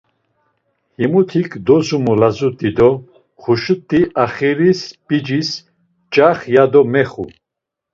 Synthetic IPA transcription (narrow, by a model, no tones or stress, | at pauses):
himut̪ʰikʰd̪ɔzumulazut̪ʼid̪ɔ | χuʃut̪ʼːiʔaχiɾispʼid͡ʒis | t͡ʃʼaχjad̪ɔmɛχṵ